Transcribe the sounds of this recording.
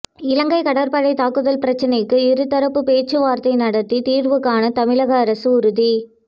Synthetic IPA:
ɪlɐŋɡɐɪkɐɽɐɾpɐɻɐɪt̪aːkːɯðɐlpɪɾɐt͡ʃːɐnɐɪkːɯɪɾɯt̪ːɐɾɐpːɯpeːt͡ʃːɯʋaːɾt̪ɐɪnɐɽɐt̪ːit̪iːrʋɯkːaːnɐt̪ɐmɪɭɐɣɐːɾɐsɯʊɾʊði

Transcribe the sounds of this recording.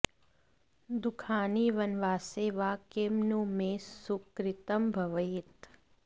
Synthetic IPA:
d̪ʊkʰaːniːʋɐnʋaːseːʋakeːmnumẽsʊkɾɪt̪əmbʱɐʋəɪt̪

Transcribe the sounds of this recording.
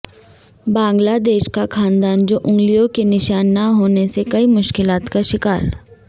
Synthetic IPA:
bãːŋɡlad̪eːʃkakʰaːnd̪aːnd͡ʒoːʔʊ̃ŋɡlijõkenɪʃaːnːɐɦoːnesekɐimʊʃkɪlaːt̪kaʃɪkaːɾ

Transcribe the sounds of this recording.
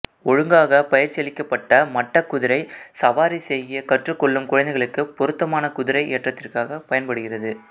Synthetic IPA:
ɔɻɯŋɡaːɣɐpɐjɪɾsɛlɪkːɐpːɐʈːɐmɐʈːɐkːʊðɪɾɐɪsɐʋaːɾisɛjːɪjɐkɐʈrɯkːɔɭːɯmkʊɻɐnd̪ɛɪɣɐɭɯkːɯpɔɾɯt̪ːɐmaːnɐkʊðɪɾɐɪʔeːʈrɐt̪ːɪrkaːɣɐpɐjɐnpɐɽɯɣɪrɐðɯ

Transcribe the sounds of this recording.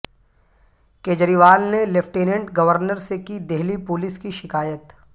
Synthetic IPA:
keːd͡ʒəɾiʋaːlnelefʰʈeːnẽɳʈɡɐʋəɾnəɾsekid̪eɦlipʊlɪskiʃɪkaːjət̪

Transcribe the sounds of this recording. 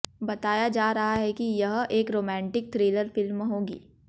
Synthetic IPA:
bɐt̪aːjad͡ʒaːɾɐɦaɦɛkijɐɦʔeːkɾoːmɛ̃ːɳʈɪk̚t̪ʰɾeːləɾfɪlmːeɦoːɡḭː

